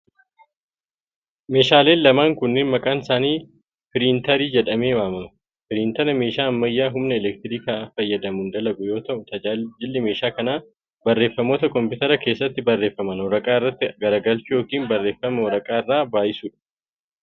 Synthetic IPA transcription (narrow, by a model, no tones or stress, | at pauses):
me̞ːʃaːle̞ːnlɐmaːŋkʊnːɪnmɐkʼaːnɪsaːniː | fɪɾiːnt̪ɐɾiːd͡ʒɛᶑɐmeːwaːmɐnʊ | fɪɾiːnt̪ɐnɐmeːʃaːɐmːɐjːaːɦʊmnɐɛlɛk̚t̪ɪɾiːkaːfɐjːɐd̪ɐmʊnd̪ɐlɐɡʊjo̞ːt̪ɐʔʊt̪ɐd͡ʒaːd͡ʒɪlːɪme̞ːʃaːkɐnaː | bɐrːe̞ːfːɐmo̞ːt̪ɐkɔmpɪt̪ɐɾɐke̞ːsːɐt̪ːɪbɐrːe̞ːfːɐmɐnɔɾɐkʼaːɪrːɐt̪ːɪɡɐɾɐɡɐlt͡ʃʊjoːkiːnbɐrːe̞ːfːɐmɛɔɾɐkʼaːɪrːaːbaːjɪsʊːᶑɐ̥